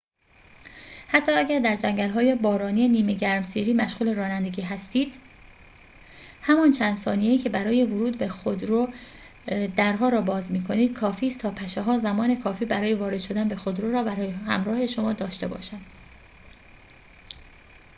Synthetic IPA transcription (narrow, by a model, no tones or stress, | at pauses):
hæt̪ʰːɒːæɡʲæɾd̪æɾd͡ʒæŋɟælɦɒːje̞bɒːɾɒːniːeniːmeɟæɾmsiːɾiːmæʃɣuːle̞ɾɒːnænd̪e̞ɡiːɦæst̪iːd̪̥ | hæmɒnt͡ʃʰænd̪sɒ̰ːnije̞iːcʰe̞bæɾɒːje̞voɾuːd̪be̞xod̪ɾo | d̪æɾɦɒːɾɒːbɒːzmiːkʰo̞niːd̪̥̚kʰɒːfiːst̪ʰɒːpʰæʃeɦɒːzæmɒːne̞kʰɒːfiːbæɾɒːje̞vɒːɾe̞d̪ʃo̞d̪ænbe̞xod̪ɾoɾɒːbæɾɒːjehæ̰mɾɒːhe̞ʃo̞mɒːd̪ɒːʃt̪e̞bɒ̰ːʃænd̪̥